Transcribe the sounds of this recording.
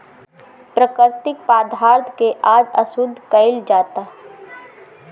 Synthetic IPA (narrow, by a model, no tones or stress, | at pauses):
pɾəkəɾt̪ɪk̚paːd̪ʱaːɾd̪ʰʱkeʔaːd͡ʒəsʊd̪ʱːkəɪld͡ʒaːt̪aː